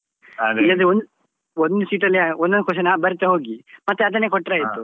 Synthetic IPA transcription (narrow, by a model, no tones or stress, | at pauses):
aɡlɐd̪eond̪ | ond̪usiːʈɐlːiond̪ond̪koʃɐnabɐɾt̪ɐɦoːɡimɐt̪ːeɐd̪ɐnːeːkɔʈːɾaːjit̪ːu